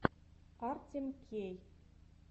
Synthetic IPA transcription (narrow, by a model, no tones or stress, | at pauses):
ɑrtʲĕmkʰej